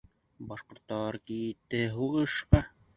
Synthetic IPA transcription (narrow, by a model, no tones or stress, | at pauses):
bɑʃqŏɾt̪ːɑɾkij̆t̪ːɘɦuʁɤ̆ʃqɑ